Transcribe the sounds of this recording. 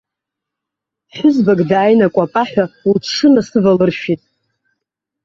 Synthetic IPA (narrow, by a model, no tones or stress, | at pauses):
ħʷᶣʊzbaɡdaːjnakʷʼapʼaħʷᶣalʰʂɨnasɨvalɨrʃitʼ